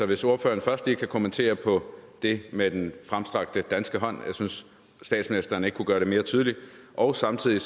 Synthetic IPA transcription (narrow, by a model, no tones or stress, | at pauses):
sɒ̽ʋe̝so̝ɐfø̰ːɐn̩fɶɐsd̥liːkʰækʰo̝mənt͡sʰe̝̰ːɐpʰɒ̽d̥e̝med̥enfʁamsd̥ʁɑ̈ɡ̥̚d̥əd̥ænsɡ̥əɦɒ̽n̰jɑ̈ɪsynsː | d̥ɛ̰ːd̥sminisd̥ɐːne̝ɡ̥əkʰuɡ̥ɶːɐɾ̥e̝me̝ːɐt͡sʰyːðˠliʔɒʊsɑ̈mt͡sʰiðˠi